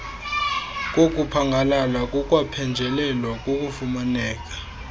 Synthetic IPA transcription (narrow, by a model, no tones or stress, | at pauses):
k̬ʼok̬ʼupʰaŋɡʱalalakʼɔkʼwapʰɛnd͡ʒʱɛlɛlwak̬ʼokʼufumanɛːk̬ʼḁ